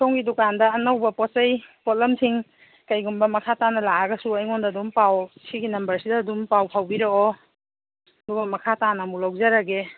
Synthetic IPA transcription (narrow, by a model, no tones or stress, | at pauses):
sʰoŋɡidukandɐːnɐwbɐpɔt̚t͡ʃɐjpɔt̚lɐmsiŋ | kɐjɡumbɐmɐkʰatanɐlaaɡɐsuɐjŋɔndaːdumpawsiɡinɐmbɐɾsidɐːdumpawpʰawbiɾeɔ | ɐdubɐmɐkʰatanɐmulawzaɾaɡe